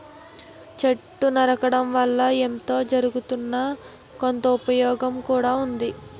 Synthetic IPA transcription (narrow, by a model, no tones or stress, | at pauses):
t͡ʃɐʈːunɐɾɐkɐɽɐmʋɐɭːɐemt̪o̞ːd͡ʒɐɾuɡut̪unːɐ | ko̞nt̪ɐupɐjɔːɡɐmkuːɽaːund̪i